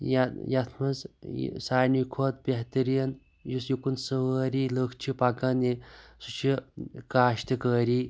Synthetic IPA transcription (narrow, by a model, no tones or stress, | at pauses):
jajat̪ʰmɐz̰saːnikʰot̪̚bʲeɦt̪əɾin | jusjikunsəʋəːɾiːləkʰt͡ʃʰipakanisut͡ʃʰikaːɕt̪əkəːɾiː